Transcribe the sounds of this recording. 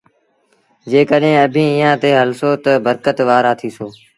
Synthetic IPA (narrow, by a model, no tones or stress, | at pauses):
d͡ʒeːkəɗɦẽːəbʱĩːɪjãːt̪eːɦəlsoːt̪əbəɾkət̪ʋaːɾaːt̪ʰiːsoː